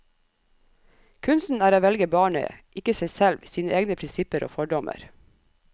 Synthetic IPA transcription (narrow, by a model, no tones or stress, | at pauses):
kʰʉnsn̩æːɾoːʋɛlɡəbɑːɳə̰ʔɪkəsæɪsɛlʋsiːnəʔeːɡnəpʰɾɪnsɪpəɾʔo̰ːfɔɖɔmʔə̰ɾ